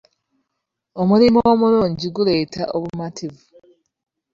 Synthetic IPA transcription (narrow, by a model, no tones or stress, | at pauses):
o̞mulimoːmuɾuːɲɟiɡule̞ːta̰ʔo̞βumatʰivu